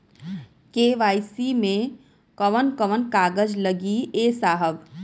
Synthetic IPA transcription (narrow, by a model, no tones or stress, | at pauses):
keːʋaːɪsimẽ | kəʋənkəʋənkaːɡəd͡ʒləɡieːsaːɦəb